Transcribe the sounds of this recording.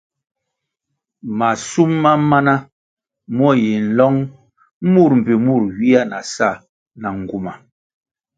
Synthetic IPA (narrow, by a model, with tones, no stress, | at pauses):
ma˨su˦mːa˦ma˦na˦ | m˦ɔ˦˨ji˨n̩˨lɔ˦ŋ˦ | mu˦˨ɾm̩˨pi˨mu˦˨ɾwi˦a˦˨na˨sa˦˨ | na˨ŋ˨ɡu˦ma˨